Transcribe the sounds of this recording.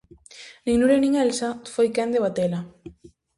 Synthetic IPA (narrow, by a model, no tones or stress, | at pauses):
nĩŋnuɾenĩŋɛlsafojkɛnd̪eβat̪ela